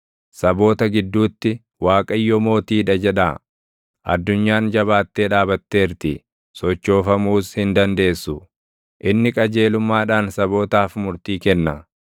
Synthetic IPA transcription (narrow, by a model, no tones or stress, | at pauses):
sɐbo̞ːt̪ɐɡɪd̪ːuːt̪ːɪ | waːkʼɐjːɔmo̞ːt̪iːᶑɐd͡ʒɛᶑaː | ʔɐ̰d̪ːʊɲːaːnd͡ʒɐβaːt̪ːe̞ːᶑaːbɐt̪ːe̞ːɾt̪ɪ | sɔt͡ʃːo̞ːfɐmuːshɪnd̪ɐnd̪e̞ːsːʊ | ʔɪnːɪkʼɐd͡ʒe̞ːlʊmːaːᶑaːnsɐbo̞ːt̪aːfmʊɾt̪iːkɛnːɐ